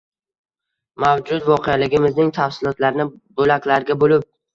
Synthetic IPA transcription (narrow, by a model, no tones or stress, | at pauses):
mawd͡ʒʊt̪vɒqʰejalɪɡʲɪmɪznɪŋt̪ʰafsɪlˠɒt̪laɾnɪbɵlakʲlaɾɡʲabolɪp̚